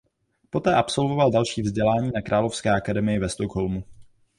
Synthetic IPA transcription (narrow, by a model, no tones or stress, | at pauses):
po̞t̪ɛːʔapso̞lvo̞valdalʃiːvzɟɛlaːɲiːnakɾʔaːlo̞fskɛːʔakadɛmɪjɪvɛst̪okɦo̞lmu